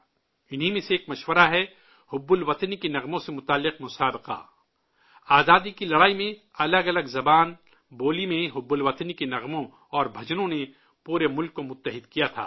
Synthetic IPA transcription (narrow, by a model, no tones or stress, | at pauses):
ɪnɦimẽseːkmɐʃwəɾaɦɛ | hʊbːʊlʋɐt̪nikenɐɣmõsemʊt̪aːlːɪqmʊsaːbɪqa̰ | aːzaːd̪ikilɐɽaːimẽ | ɐləɡɐləɡzɐbaːn | boːlimẽɦʊbːʊlʋɐt̪nikenɐɣmõ | ɔːɾbʱɐd͡ʒnõne | puːɾemʊlkːomʊt̪ːəɦɪd̪kijat̪ʰa̰ː